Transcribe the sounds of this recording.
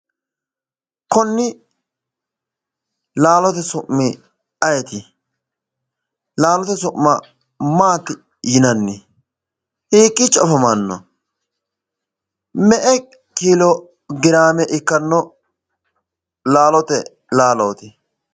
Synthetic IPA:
kɔnːɪ | laːlɔt̪ɛsʊʔmːɪ | ɐjɛt̪ɪ | laːlɔt̪ɛsʊʔmːɐ | maːt̪ɪ | jɪnɐnːɪ | hiːkʼːɪt͡ʃʼɔfɐmɐnːɔ̰ | mɛʔɛ | kiːlɔ | ɡɪɾaːmɛʔɪkːɐnːɔ | laːlɔt̪ɛ | laːlɔːt̪ɪ

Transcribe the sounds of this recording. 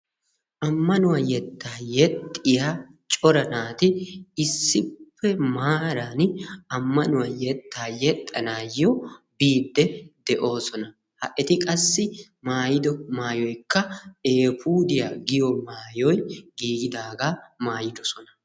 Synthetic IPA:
ʔɐmːɐnʊwɐjɛt̪ʰːaːjɛt̪ʼːɪjat͡ʃʼɔɾɐnaːt̪ɪɪsːɪpʰːɛmaːɾaːnɐmːɐnʊwɐjɛt̪ːaːjɛt̪ʼːɐnaːjːɔbiːd̪ːɛd̪ɛʔo̞ːsɔnɐ | hɐʔɛt̪ɪkʼɐsːɪ | maːjɪd̪ɔmaːjɔjkːɐeːpuːd̪ɪja̰ːɡɪjɔmaːjɔjɡiːɡɪd̪aːɡaːmaːjɪd̪ɔsɔnɐ

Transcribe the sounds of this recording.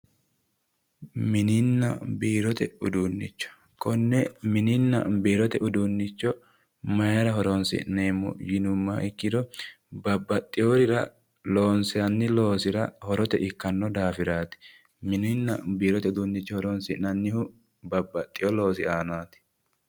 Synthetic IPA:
mɪnɪnːɐ̰biːɾɔt̪ɛʊd̪uːnːɪt͡ʃːɔ̥ | kɔnːɛmɪnɪnːɐ̰biːɾɔt̪ɛʔʊd̪unːɪt͡ʃːɔ | mɐjɐɾɐɦɔɾonsɪ̰neːmːɔ̰jɪnʊmːaːʔɪkːɪd̪ɔ | bɐbːɐt̪ʼːɪjɔɾɪɾɐ | lo̞ːnsɪɐnːɪlo̞ːsɪɾɐhɔɾɔt̪ɛʔɪkːɐnːɔd̪aːfɪɾaːt̪ɪ̥ | mɪnɪnːɐbiːɾɔt̪ɛʊd̪ʊnːɪt͡ʃːɔhɔɾoːnsɪnɐnːɪhʊ | bɐbːɐt̪ʼːɪjɔlo̞ːs̬ɪaːnaːt̪ɪ̥

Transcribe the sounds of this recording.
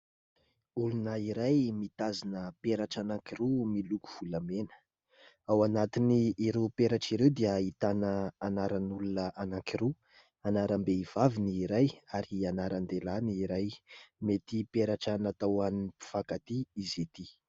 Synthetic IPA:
ulunəiɾajmit̪azinəpeɾaʈ͡ʂanaŋkiɾumiluku̥v̥ulamenə̥ | awanat̪iniːɾewpeɾaʈ͡ʂiɾewd̪iəit̪anəːnaɾənulunəʔanaŋkiɾe | anaɾəmbeiv̥aviniːɾajaɾianaɾand̪elaniiɾajmet̪ipeɾaʈ͡ʂanat̪awaninipi̥fakat̪iizet̪i

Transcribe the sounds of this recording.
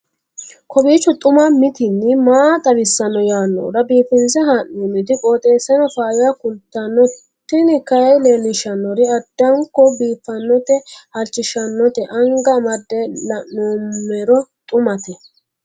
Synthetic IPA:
kʰɔbiːt͡ʃːʊt̪ʼʊmɐmɪt̪ɪnːɪmaːt̪ʼɐʋɪsːɐnːɔjaːnːɔ̰ːɾɐbiːfɪnzɛɦanːoːmɪt̪ɪkʼoːt̪ʼeːsːɛnɔfaːjɪjakʊlt̪ːɐnːɔ | t̪ːɪnɪkɐjjleːlɪʃɐnːɔɾɪɐd̪ːɐŋkːɔbiːfːɐnːɔt̪ɛhɐlt͡ʃːɪʃɐnːɔt̪ɛʔɐŋɡɐmɐd̪ːɛlɐnːoːmːɛɾɔt̪ʼʊmɐt̪ɛ

